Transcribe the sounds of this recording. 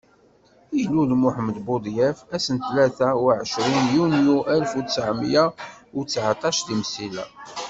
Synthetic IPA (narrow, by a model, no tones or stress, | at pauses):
ijlːulmʊħmd̪bod̪ˤjæfæsənt̪læθæwʕəʃɾinjunjuʔælfusəʕmjawt͡sːʕat̪ˤɑʃt̪imsilæ̰